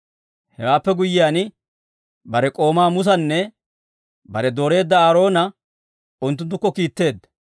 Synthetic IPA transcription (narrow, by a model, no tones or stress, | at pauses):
hɛ̰waːpːɛɡʊjːɪjaːn | bɐɾɛkʼo̞ːmaːmʊs̬ɐnːɛ | bɐɾɛd̪o̞ːɾe̞ːd̪ːɐaːɾo̞ːnɐ | ʊnt̪̬ːʊnt̪̬ːʊkːɔkiːt̪ːe̞ːd̪ːɐ̥